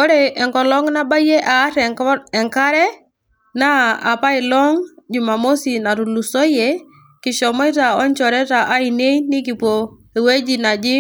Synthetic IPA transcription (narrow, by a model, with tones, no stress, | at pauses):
kɔ˦ɾɛ˨ʔɛ˨ŋkɔ˨lɔ˦ŋna˦ba˦je˦ʔa˨˦ɾɛ˨ɛ˨ŋka˦ɾɛ˦ | na˦a̰˨pa˦ɪ˨lɔ˦ŋd͡ʒu˨ma˨mo˦si˨na˨tu˨lu˨so˦je˦ | kɪ˨ʃɔ˨mɔ˦i˦ta˨ɔ˦nt͡ʃɔ˨ɾɛ˦ta˨ʔa˦i˨ne˦inɪ˦k̬i˨po˨ | e˨we˦d͡ʒi˨na˨d͡ʒɪ˦